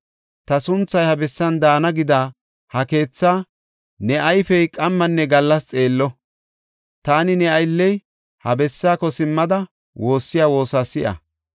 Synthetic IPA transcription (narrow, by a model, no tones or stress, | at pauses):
t̪ɐsʊnt͡sːɐjhɐbɛsːɐnd̪aːnɐɡɪd̪aː | hɐke̞ːt͡sːaː | nɛʔɐjfɛjkʼɐmːɐnːɛɡɐlːɐst͡sʼe̞ːlːɔ | t̪aːnɪnɛɐjlːɛj | hɐbɛsːaːkɔsɪmːɐd̪ɐ | wʔo̞ːsːɪjaːwo̞ːsaːsɪʔɐ̰